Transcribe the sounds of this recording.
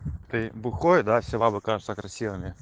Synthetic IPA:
t̪ɨbʊxojd̪afsʲɪvˠabɨkaʐɨt̪səkɾɐsʲivɨmʲɪ

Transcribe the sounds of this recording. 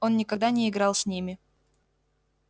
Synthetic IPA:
o̞nːʲɪkɐɡd̪anʲɪɪɡɾɑlˠsʲnʲimʲɪ

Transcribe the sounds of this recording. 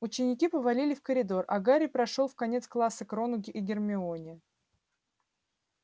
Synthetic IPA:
ʊt͡ɕːɪnʲɪkʲipəvɐlʲilʲɪfkəɾʲɪd̪o̞rʔɐ̰ɡaɾʲɪpɾɐʂolˠfkɐnʲet̪sklˠasːəkɾo̞nʊɡʲɪʔɪɡʲɪrmʲɪo̞nʲɪ

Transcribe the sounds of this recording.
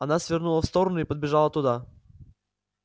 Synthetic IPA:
ɐnasvʲɪrnulˠəfst̪oɾənʊipəd̪̚bʲɪʐalˠət̪ʊd̪a

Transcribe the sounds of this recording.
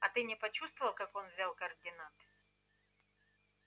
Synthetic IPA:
ɐt̪ɨnʲɪpɐt͡ɕust̪vəvɐlˠkako̞nvzʲalˠkɐrdʲɪnat̪

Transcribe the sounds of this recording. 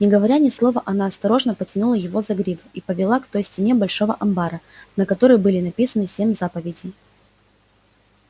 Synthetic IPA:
nʲɪɡəvɐɾʲanʲɪslˠo̞vəʔɐnaɐst̪ɐɾo̞ʐnəpətʲɪnulˠəjɪvo̞zɐɡɾʲivipəvʲɪlˠakt̪o̞jsʲtʲɪnʲe̞bɐlʲʂo̞vəʔɐmbaɾənəkɐt̪o̞ɾəjbɨlʲɪnɐpʲisənɨsʲemʲzapəvʲɪdʲɪ

